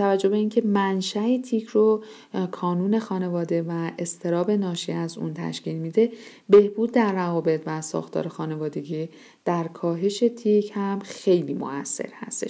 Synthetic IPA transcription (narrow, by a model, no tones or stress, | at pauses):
t̪ʰævæd͡ʒːo̞be̞incʰe̞mænʃæet̪ʰicʰro | kʰɒːnuːne̞xɒːne̞vɒːd̪e̞væe̞st̪ʰe̞ɾɒːbe̞nɒːʃiæzʔṵnt̪ʰæ̰ʃciːlmid̪e̞ | be̞hb̥uːd̪̚ːæɾːævɒːbe̞t̪ʰvæsɒ̰ːxt̪ʰɒ̰ːɾexɒːne̞vɒːd̪e̞ɟiː | d̪̥æɾkʰɒːɦe̞ʃe̞t̪ʰicʰhæmxe̞jliːmo̰æsːe̞̰ɾhæ̰st̪e̞ʃ